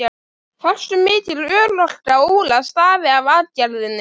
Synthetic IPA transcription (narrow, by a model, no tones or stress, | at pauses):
a | far̥st̪ʏmɪːt̪ɪlœːɾlɔl̥kaoːwlast̪aːvɪavaːðcaɾðɪnːɪ